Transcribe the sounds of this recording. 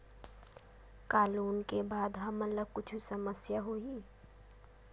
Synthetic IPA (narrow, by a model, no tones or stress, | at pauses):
kaːluːnkebaːd̪ɦɐmɐləɡ̚kʊt͡ʃʰusəməsjaɦoːiː